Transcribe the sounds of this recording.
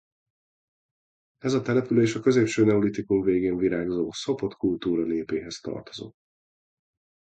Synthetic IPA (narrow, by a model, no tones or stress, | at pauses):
ɛzɒt̪ɛlɛpyleːʃɒkø̞zeːpʃøːnɛulit̪ikuɱveːɡeːɱviɾaːɡzoːso̞po̞t̪kult̪uːɾɒneːpeːɦɛst̪ɒ̰rt̪o̞zo̞̰t̪ː